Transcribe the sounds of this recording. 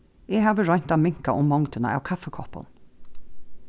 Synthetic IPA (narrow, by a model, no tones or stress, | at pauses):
eːhɑːʋəɹɔn̥t̪ɑmɪŋkaʔʊmːɔŋd̪ənə̰ʔɑ̰ːʋkʰɑfəkʰɔpə̰n